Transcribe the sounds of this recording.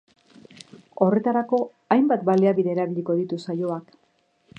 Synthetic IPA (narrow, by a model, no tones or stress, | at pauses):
o̞re̞t̪aɾako̞ | ajmbat̪baleaβiðe̞ːɾaβiʎiko̞ð̞it̪usajo̞ak